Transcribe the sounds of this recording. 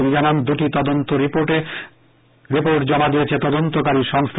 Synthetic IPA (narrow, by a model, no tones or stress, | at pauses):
umid͡ʑanand̪uʈit̪ɔd̪ont̪oɾipoʈe | ɾipoɾʈd͡ʑɔmad̪ijet͡ɕʰet̪ɔd̪ont̪okaɾiʃɔŋst̪ʰ